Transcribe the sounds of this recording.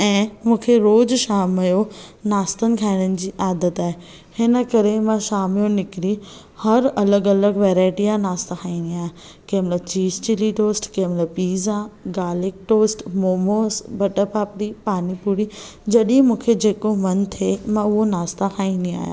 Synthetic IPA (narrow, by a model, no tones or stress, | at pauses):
ɛ̃ːmũːkʰeɾoːd͡ʑʃaːmjonaːst̪ənɪ̆kʰaːɪɽ̃ənɪ̆d͡ʑiːʔaːd̪ət̪aːɦe | hɪnə̆kɐɾemãʃaːmjõnɪkɪɾi | hɐɾɐləɡɐləɡʋɛːɾaːɪʈiãnaːst̪akʰaːĩːnd̪iaːɦja | kẽːmlət͡ɕiːd͡ʑt͡ɕɪliʈoːsʈkẽmləpiːzãɡaːlɪk̚ʈoːsʈmoːmoːsbɐʈəpaːpɽipaːnipuːɾid͡ʑɐɗĩmũːkʰed͡ʑeːkomɐnt̪ʰemãʊɦonaːst̪akʰaːĩːnd̪ĩa̰ːɦja̰ː